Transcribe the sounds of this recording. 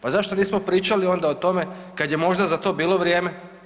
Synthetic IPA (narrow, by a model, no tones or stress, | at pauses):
pazaʃt̪oniːsmo̞pɾiːt͡ʃalio̞nd̪aot̪o̞me̞kad̪je̞mo̞ʒd̪azat̪o̞biːlˠoʋɾje̞ːme